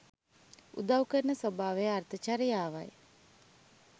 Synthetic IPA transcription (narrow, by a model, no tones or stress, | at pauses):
ṵd̪awkəɾnəsobʱaːʋejart̪ʰət͡ʃaːɾəjaːʋaj